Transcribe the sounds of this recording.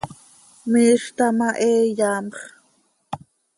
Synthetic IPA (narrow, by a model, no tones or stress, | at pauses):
miːʂt̪ɑmaʔeːjaːmχ